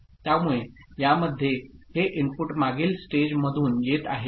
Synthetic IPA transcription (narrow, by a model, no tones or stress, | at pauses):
t̪jamuɭe | jaməd̪ʱːjeheʔimpuʈmaɡiːlsʈed͡ʑməd̪ʱuːnjet̪a̰ɦe